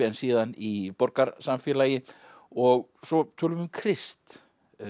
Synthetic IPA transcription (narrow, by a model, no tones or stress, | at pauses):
ɛnsiːðanipɔɾkaɾsamfjɛːlaːjɪ | ɔɣsɔt̪ʰɔːlʏmʏmkʰɾɪst̪